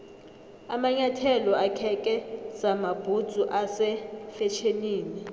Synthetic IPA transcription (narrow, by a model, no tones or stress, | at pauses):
amaɲatʰɛlɔakʰɛkʼɛz̥amab̥ʱud̥z̥ʱuʔasɛfɛt͡ʃʰeniːni